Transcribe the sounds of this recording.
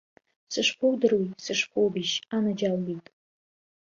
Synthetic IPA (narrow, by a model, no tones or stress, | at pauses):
sɨʂpʷʰowdɨrwisɨʂpʰowbiʃanad͡ʒalːitʼ